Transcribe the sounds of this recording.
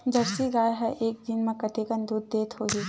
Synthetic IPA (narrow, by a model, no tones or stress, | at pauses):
d͡ʒɐɾsiɡaːjɦəʔeːk̚d̪ɪnmẽkɐʈ̪eːkənd̪uːd̪̚ːeːt̪ʰɦoɦi